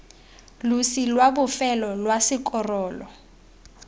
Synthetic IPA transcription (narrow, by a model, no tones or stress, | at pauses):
lusilwabʊfɛlɔlwasɪkɔrɔːlɔ